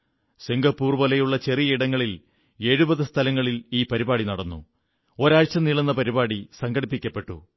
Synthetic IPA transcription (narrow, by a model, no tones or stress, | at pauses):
siŋɡɐpːuːrʋɐlɐjuɭːɐt͡ɕe̞rijɐiɽɐŋːɐɭil | e̞ːɻubɐðɨst̪ʰɐlɐŋːɐɭiliːpɐɾibaːɽinɐɽɐnːṵ | o̞ɾaːɻt͡ɕːɐmniɭɐnːɐpɐɾibaːɽisɐŋɡɐɽipːikʲːɐpːe̞ʈːṵ